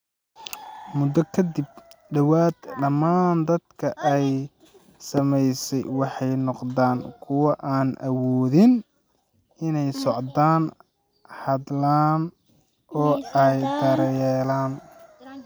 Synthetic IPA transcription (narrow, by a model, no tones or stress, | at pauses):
mʊd̪ɐkʰɐd̪ɪb̚ | ɖɐwaːd̪ɖɐmːaːnd̪ɐd̪kʰɐʔɛj | sɐmɛjsɛjwɑħɑjnɔqd̪aːŋkʰʊwɐʔaːnʔɐ̰wɔːðɪn | ʔɪnɛjsɔʕd̪aːn | hɑd̪laːn | ʔɔːɛjd̪ɐɾɛːlaːn